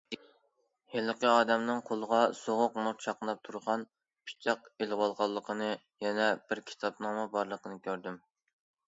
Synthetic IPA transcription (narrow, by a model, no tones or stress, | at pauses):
helˠəqəɑːd̪ɛmnɨŋqʰolˠəʁɑsoʁʊqmuɾt͡ʃʰɑqnɑp̚t̪ʰuɾʁɑn | pʰi̥t͡ʃʰɑqelʁɑlˠʁɑlˠːəqʰənɨ | jɛnɛbɪɾkʲʰi̥t̪ʰɑpnɑmɛbɑɾlˠəqʰənɨkʲʰøɾd̪ym